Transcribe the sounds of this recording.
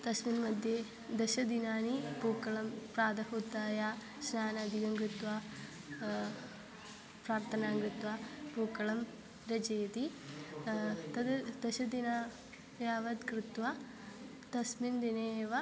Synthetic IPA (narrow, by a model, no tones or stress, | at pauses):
t̪ɐsminmɐd̪ʱje | d̪ɐʃɐd̪inaːnipuːkɐɭɐmpɾaːd̪ɐɦud̪aːjaː | snaːnɐːd̪ʱiɡɐŋɡɾɪt̪ʋaː | pɾaːɾt̪ʰɐnaːŋɡɾɪt̪ʋaːpuːkɐɭɐm | ɾɐd͡ʒeːt̪i | t̪ɐd̪d̪ɐʃɐd̪inaː | jaːʋɐd̪kɾɪt̪ʋa | t̪ɐsmind̪ineʋɐ